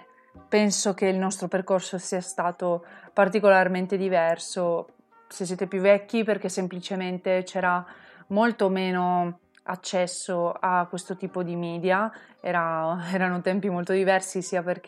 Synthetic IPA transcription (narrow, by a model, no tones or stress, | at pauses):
pɛnsokeilnɔst̪ɾoperkorsosiːast̪aːt̪opart̪ikolarment̪ed̪ivɛrso | sesːjeːt̪epjuvːɛkʲːiperk̟esemplit͡ʃement̪et͡ʃɛːɾamolt̪omeːno | a̰t͡ʃːɛsːoakwest̪ot̪iːpod̪imiːd̪jaɛːɾaɛːɾanot̪ɛmpimolt̪od̪ivɛrsisiaperk